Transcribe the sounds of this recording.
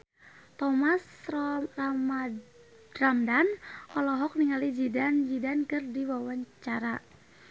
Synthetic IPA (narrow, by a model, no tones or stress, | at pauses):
t̪ɔmasrrama | ramdanʔɔlɔɦɔk̚niŋalid͡ʒidand͡ʒidankɨrdiwawaɲt͡ʃaɾa